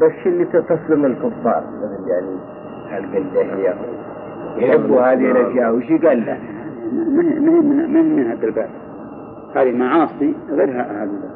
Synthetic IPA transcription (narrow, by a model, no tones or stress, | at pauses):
basɪlːit̪ɪt̪ɑsˤlɪmɪlkʊfːɑ̰ːɾˤmɪɣɪljaʕni | halɡalːahɪja | jħɪbːuhaːðɪhɪlʔaʃjaːʔwɪʃiɡalːa | ammhmʊhɪmːnmʊhɪmːiːnhad̪albaːt̪ | haːðimaʕɑːsˤiɣeːɾɦaʔahalɪa